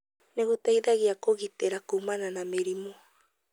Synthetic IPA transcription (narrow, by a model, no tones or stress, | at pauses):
neɡut̪aiðaɡiakoɣit̪eɾakumananameɾimo